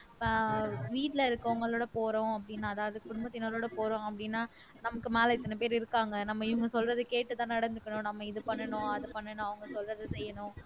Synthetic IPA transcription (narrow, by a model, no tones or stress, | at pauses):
ʋiːʈlɐɪɾɯkːɯʊŋɡɐɭoːɽɐpoːɾõːɐp̬ːɐɽɪnːaːɐðaːʋɐðɯkʊɽʊmbɐt̪ːɪnaːloːɽɐpoːɾõɐpːɐɽɪnːaː | nɐmɐkːɯmeːlɐɪt̪ːɐnɐpeːɾɪɾɯkːaːŋɡɐnɐmːɐɪʋɐŋɡɐsɔlrɐðɯkeːʈːɯt̪ãːnɐɽɐnd̪ɯkːɐɳʊ̃nɐmːɐɪðɯpɐɳːɐɳʊ̃ɐðɯpɐɳːɐɳʊ̃ɐʋɐŋɡɐsɔlrɐðɯsɛjːɐnʊ̃ː